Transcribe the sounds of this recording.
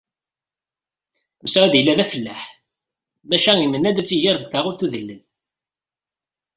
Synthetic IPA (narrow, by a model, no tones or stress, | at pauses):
məsʕæðjəlːæðæfəlːæħ | mæʃæŋimənːæd̪æt͡sːiʝiɾˤd̪θaʁʊɾθuðəlːən